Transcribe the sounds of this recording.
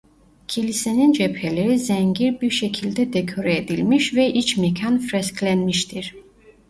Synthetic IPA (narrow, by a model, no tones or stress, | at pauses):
cʰilisenind͡ʒɛpheleɾizɛɲɟiɾbiɾʃɛcʰilʲd̪ɛd̪ɛkʰoɾɛed̪ilʲmiʃvɛʔit͡ʃʰmɛcʰanfɾɛskʰlʲɛnmiʃt̪ʰiɾ̥